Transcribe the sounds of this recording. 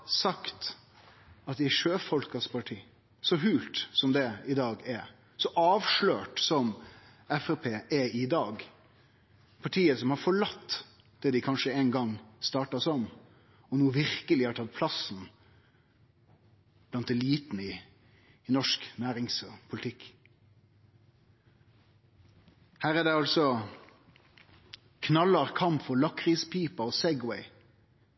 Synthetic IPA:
sɑkt̪ | ɑt̪̚d̪ɪʂøːfɔlkɑspʰɑʈʰiː | sɔɦʉːlt̪sɔmd̪ɛɪd̪ɑːɡɛ | sɔʔɑːʋʂløːʈsɔm | ɛfæpʰeːʔɛɪd̪ɑːɡ | pʰɑʈʰiːəsɔmhɑɾfɔɭɑt̪ː | d̪̥ɛd̪ɪkʰɑnʂəɛnɡɑŋːst̪ɑːʈɑsɔm | ɔnuːʋɪɾkəlɪhɑʈʰɑt̪̚pʰlɑsn̩ | b̥lɑnt̪ɛliːt̪nɪ | nɔʂknæːɾɪŋspʰʊlɪt̪ʰɪkː | hæːɾæɖɛɑlsɔ | kʰnɑlɑʁkʰɑmpfɔɾlɑkʁɪspʰiːpɑɔsɛɡwɛɪ

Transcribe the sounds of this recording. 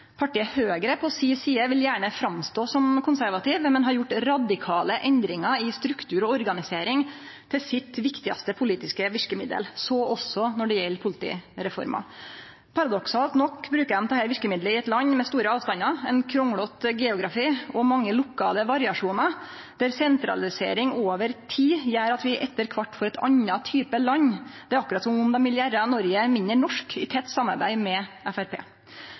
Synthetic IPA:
pʰɑʈiːəhøːɡɾəpʰɔsiːsiːəʋɪljæːɳəfɾɑmst̪oːsɔmkʰʊnsæɾʋɑt̪iːʋmɛnɦɑɾjʊʈːɾɑd̪ɪkʰɑːləʔɛnd̪ɾɪŋɑɪst̪ɾʉkt̪ʰʉːɾɔɔɾɡɑnɪseːɾɪŋ | t̪ʰɪlsɪt̪ʋɪkt̪ɪɑ̰st̪əpʰʊliːt̪ɪskəʋɪʂkəmɪd̪ə̰lsɔʔɔsɔnɔɖɛjɛlːəpʰʊlɪt̪ḭːɾɛfɔ̰ɾmɑ̰ | pʰɑɾɑd̪ɔksɑːlt̪nɔkːbɾʉːkəd̪ɛmt̪ɑːhæɪɾʋɪɾkəmɪd̪ləɪɛt̪lɑɲːmɛst̪uːɾəɑːʋst̪ɑnɑɛnkʰɾɔŋlɔt̪ɡɛːʊɡɾɑfiːɔmɑŋːəlʊkːɑːləʋɑɾɪɑʂuːnɑ | d̪̥æɾsɛnt̪ɾɑ̰lɪsḛːɾɪŋoːʋəɾt̪ʰiːjæːɾɑt̪ʋɪʔɛt̪ːəɾkʰʋɑʈːfɔɾɛt̪ʰɑ̰nːɑt̪ʰyːpəlɑɲːd̪ɛæɾɑkːʉɾɑt̪sɔmʊmd̪ɛmʋɪljæɾənɔɾɡəmɪnːəɳɔʂkɪt̪ʰɛt̪ːsɑmːɑɾbæɪmɛʔɛfæɾpʰḛː

